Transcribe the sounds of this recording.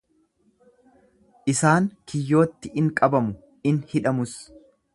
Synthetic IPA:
ʔɪsaːŋkɪjːo̞ːt̪ːɪʔɪŋkʼɐbɐmʊ | ɪnhɪᶑɐmʊs

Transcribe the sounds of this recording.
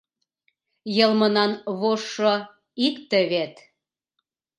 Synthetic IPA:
jɤlmɤnɑnβoʃːɤ | ikt̪ə̆βet̪

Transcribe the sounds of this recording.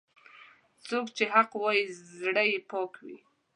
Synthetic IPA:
t͡sokt͡ʃeɦaqwɑjizɽəjepɑkwḭ

